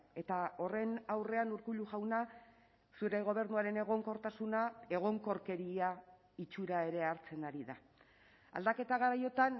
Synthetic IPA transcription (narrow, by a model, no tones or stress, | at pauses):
e̞t̪ao̞re̞nawre̞anuɾkuʎuʝawna | suɾe̞ɣ̞o̞β̞e̞ɾnuaɾe̞ne̞ɣ̞o̞ŋko̞ɾt̪asunae̞ɣ̞o̞ŋko̞ɾke̞ɾia | it͡ʃuɾae̞ɾe̞aɾt͡se̞naɾiða | a̰ld̪ake̞t̪aɣ̞aɾajo̞t̪an